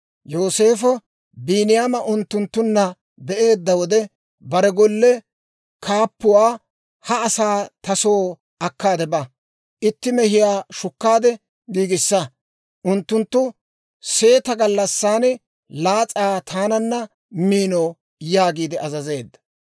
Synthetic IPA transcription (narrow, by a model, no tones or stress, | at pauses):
jo̞ːse̞ːfɔ | biːnɪjaːmɐʔʊnt̪ːʊnt̪ːʊnːɐ | bɛʔe̞ːd̪ːɐwɔd̪ɛ | bɐɾɛɡɔlːɛ | kʰaːpːʊwaː | hɐːsaːt̪ɐsoː | ʔɐkːaːd̪ɛbɐ | ʔɪt̪ːɪmɛhɪjaːʃʊkːaːd̪ɛ | ɡiːɡɪsːɐ | ʔʊnt̪ːʊnt̪ːʊ | se̞ːt̪ɐɡɐlːɐsːaːn | laːt͡sʼaːt̪ʰaːnɐnːɐ | miːnoː | jaːɡiːd̪ɪʔɐzɐze̞ːd̪ːɐ̥